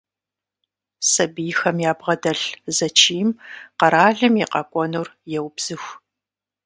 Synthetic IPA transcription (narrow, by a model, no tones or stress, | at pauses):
sɐbijxɐmjaːbʁɐdɐɬzɐt͡ʃʰiːmqɐɾaːɮɨmjiqɐkʷʼɔnurjɛwbz̥ɨxʷ